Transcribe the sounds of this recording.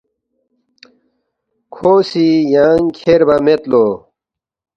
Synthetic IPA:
kʰoːsijaːŋkʰeɾbɐmet̪loː

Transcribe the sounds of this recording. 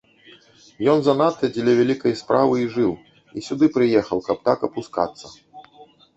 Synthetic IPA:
jɔnzɐnat̪ːɐd͡zʲlʲɛvʲælʲikɐjspɾavɨiʐɨw | isʲud̪ɨpɾɨjɛxɐwkɐp̚t̪akɐpuska̰t̪sːɐ

